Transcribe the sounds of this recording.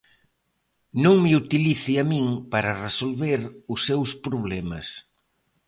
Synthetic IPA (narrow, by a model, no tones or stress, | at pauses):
nõŋmeut̪iliθɪamĩŋpaɾɐresolβeɾʊsːewspɾoβ̞lɛmɐs